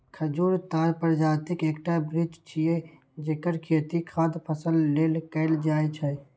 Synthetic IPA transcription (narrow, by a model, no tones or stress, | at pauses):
kʰəd͡ʒuːɾt̪aːɾpəɾd͡ʒaːt̪ɪkeːkʈabɾid͡ʒt͡ʃʰie | d͡ʒekəɾkʰeːt̪ikʰad̪pʰəsəlːeːlkəɪld͡ʒaːjt͡ʃʰɛ